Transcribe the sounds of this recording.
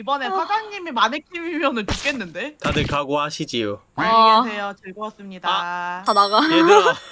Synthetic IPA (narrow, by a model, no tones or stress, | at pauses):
ibʌne̞sʰasɡaŋɲimemanek͈ʰimimjʌnɯnt͡ɕuk͈e̞nːɯnde̞anekaɡoɦaɕʰid͡ʑijo | asʰe̞jot͡ɕɯɭɡoʌs͈ɯmɲidaanaɡae